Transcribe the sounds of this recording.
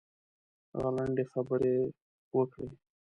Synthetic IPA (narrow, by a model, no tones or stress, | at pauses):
ɣaləɳɖexəbəɾe | wəkɽe